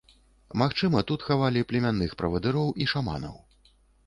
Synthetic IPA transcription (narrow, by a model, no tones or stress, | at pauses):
maxt͡ʂɨmɐt̪ut̪xavalʲiplʲɛmʲanːɨxpɾɐvɐd̪ɨɾɔwʔiʂama̰nɐ̰w